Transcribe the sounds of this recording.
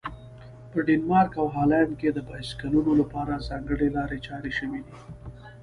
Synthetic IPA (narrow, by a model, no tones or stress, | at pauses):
pəɖinmɑɾkawɦɑland̚ked̪əbɑskalunolapɑɾazɑŋɡəɽelɑɾet͡ʃɑɾeʃəwid̪i